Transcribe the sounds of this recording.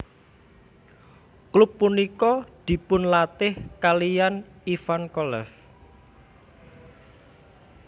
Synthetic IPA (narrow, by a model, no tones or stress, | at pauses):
klʊpːunikɔd̪̥i̤pʊnlat̪ɪhkalijan | ifankɔlɛf